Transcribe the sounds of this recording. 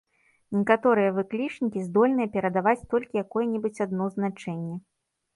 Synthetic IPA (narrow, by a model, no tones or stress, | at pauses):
nʲɛkat̪ɔɾɨjɐvɨklʲit͡ʂnʲikʲizd̪ɔlʲnɨjɐpʲɛɾɐd̪avat͡sʲt̪ɔlʲkʲijakɔjɛnʲɛbɨt͡sʲad̪nɔznat͡ʂɛnʲːɛ